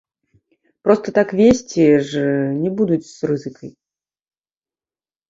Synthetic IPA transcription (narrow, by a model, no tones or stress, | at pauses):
pɾɔst̪ɐt̪akvʲesʲt͡sʲiʐnʲɛbud̪ut͡sʲsrɨzɨkʰɐj